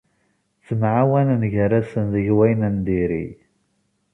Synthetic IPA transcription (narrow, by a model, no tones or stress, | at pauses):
t͡sːəmʕawænnʝəɾæsənðəʝwæjnənd̪iɾḭ